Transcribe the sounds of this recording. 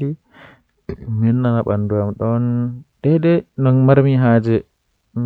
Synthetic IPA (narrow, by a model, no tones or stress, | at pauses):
i | minːanaɓa̰nduamɗɔnɗɛɗɛnɔnmaɾmiɦaːd͡ʒɛ